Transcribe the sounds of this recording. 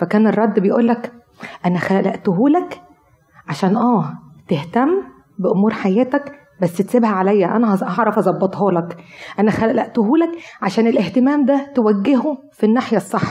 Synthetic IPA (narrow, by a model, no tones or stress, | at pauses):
fækæːnerˤːɑd̪ːbejʔuːlːæk | ʔænæxælæʔlæʔt̪oɦuːlæk | ʕaʃæːnʔæːt̪eht̪æmː | beʔomuːɾħajæːt̪æk | bæsːet̪sebhæʕalæjːæʔænæhɑʕɾˤɑfɑzˤɑbːɑt̪ˤɦɑːlɑkʔænæxælæʔlæʔt̪oɦuːlækʕaʃæːnelʔeht̪emæːmd̪æt̪ewæɡːeɦu | finːaːħjæsˤːɑħːɑ̥